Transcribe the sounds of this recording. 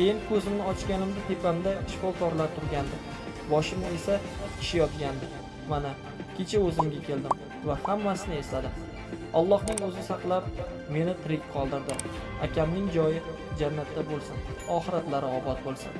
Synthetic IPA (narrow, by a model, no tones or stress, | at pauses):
kʲejɪnkʰɵzɪmnɪɒt͡ʃɡʲanɪmd̪ɪt̪ʰe̞pʰamd̪aʃfɒkʰɒɾlaɾt̪ʰʊɾɡʲand̪ɪ | bɒʃɪmɪe̞saɪ̥ʃɪjɒt̪ɡʲand̪ɪ | mana | kʲʰet͡ʃʰaɵzɪmɡʲakʲʰe̞ld̪ɪm | vahamːasɪnɪe̞st̪ad̪ɪ | ɒlˠːɒhnɪŋɵzɪsɑqlˠap̚ | me̞nɪq̪ʰɪɾɪkʲqʰɒlˠd̪ɪɾd̪ɪakʲʰamnɪŋd͡ʒɒjɪ | d͡ʒanːat̪ːabolˠsɪnɒχɨɾat̪laɾɪɒbɒt̪̚bolˠsɪ̰n